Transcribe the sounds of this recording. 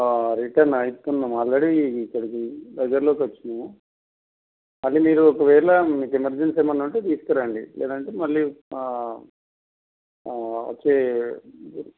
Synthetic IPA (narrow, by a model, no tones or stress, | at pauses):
ɾiʈɐɾnɐjit̪t̪unːaːmɐlːeɽiːkːɐɽikilɐd͡ʒɐɾlo̞ːk̬ʋɐt͡ʃːinɐu | mɐlːiːmiːɾuɔkɐʋɛːɭɐmiːkemɐɾd͡ʒenseːmɐnːɐɳʈeːt̪iːsu̥kɐɾaːɳɖilɛ̰ːd̪ɐɳʈe̞ːmɐɭːi | ɐ̰t͡ʃːeː